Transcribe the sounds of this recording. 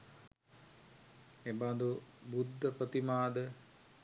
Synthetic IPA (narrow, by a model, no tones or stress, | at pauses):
ebad̪ubud̪ːəprət̪imaːd̪ə